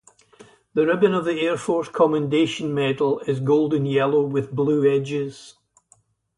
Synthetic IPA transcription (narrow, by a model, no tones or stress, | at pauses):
ðəɹɪbə̃nəvðieɹfɔɹskʰɔmə̃ndeʃə̃nmɛdl̩ˠɪzɡolˠdə̃njɛlˠowɪðblˠʉːɛd͡ʒɪz̥